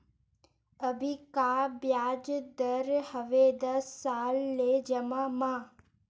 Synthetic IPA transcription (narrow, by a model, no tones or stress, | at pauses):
əbʱikabjaːd͡ʒd̪əɾhəʋed̪əsːalːed͡ʒəmãmã